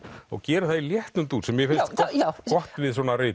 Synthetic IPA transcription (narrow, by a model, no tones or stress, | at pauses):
ɔ̰ɣcɛːɾɪθaðiljɛht̪nʏmt̪uːsɛmjɛfɪnt̪kɔht̪vɪðsɔːnaɾeː